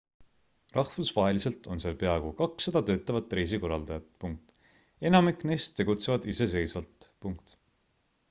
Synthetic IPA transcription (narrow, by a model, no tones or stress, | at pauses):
rɑhvusvɑɦe̞lise̞lt̪ˑo̞nseːlpe̞ɑeɡ̥okɑksːe̞d̪̥ɑt̪ø̞ːt̪ːˑɑvɑt̪ːˑɾe̞js̬iko̞rɑld̪ɑjɑt̪ːˑpuŋk̚t̪ | e̞nɑmikˑne̞jst̪ːe̞ɡut̪se̞vɑd̪̥ise̞s̬e̞jsvɑlt̪puŋkt̪